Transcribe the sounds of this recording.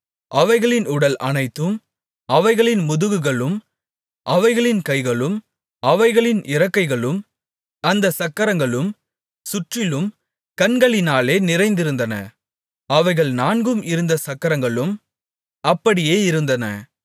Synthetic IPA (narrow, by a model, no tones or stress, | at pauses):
ʔɐʋɐɪɣɐɭɪnʊɽɐlʔɐnɐɪt̪ːɯm | ʔɐʋɐɪɣɐɭɪnmʊðɯɣɯɣɐɭɯm | ʔɐʋɐɪɣɐɭɪnkɐɪɣɐɭɯm | ɐʋɐɪɣɐɭɪnʔɪɾɐkːɐɪɣɐɭɯm | ɐnd̪ɐsɐkːɐɾɐŋɡɐɭɯm | sʊʈrɪlɯm | kɐnɡɐɭɪnaːleːnɪɾɐɪnd̪ɪɾɯnd̪ɐnɐ̰ | ɐʋɐɪɣɐɭnaːnɡɯmɪɾɯnd̪ɐsɐkːɐɾɐŋɡɐɭɯm | ɐpːɐɽɪjeːɪɾɯnd̪ɐnɐ̰